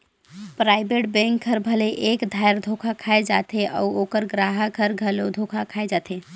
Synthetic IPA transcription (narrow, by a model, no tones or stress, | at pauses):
pɾaɪbeʈbɛ̃ŋkʰːəɾbʱəleʔekd̪ʱajɾd̪ʱokʰakʰaed͡ʒat̪ʰeʔɔuokəɾɡɾaɦəkʰəɾɡʱəlod̪ʱokʰakʰaed͡ʒat̪ʰe